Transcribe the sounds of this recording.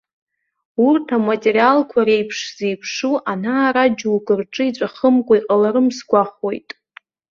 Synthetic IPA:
urtʰamatʼeɾialkʷʰaɾejpʰʂze̞jpʰʂuʔanaːɾad͡ʒuwɡɨrʈ͡ʂʼɨit͡sʷʼaχəmkʷʼaiqʼalaɾɨmsɡʷaχo̞jtʼ

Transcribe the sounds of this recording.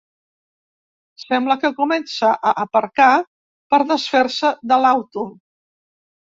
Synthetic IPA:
sɛmbləkəkumɛnsəʔəʔəpəɾka | pəɾðəsfeɾsəðəlawt̪u

